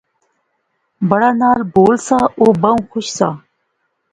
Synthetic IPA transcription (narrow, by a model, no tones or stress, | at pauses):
bɐɽaːnaːlboːlsaːʔoːbəũːxʊʃsaː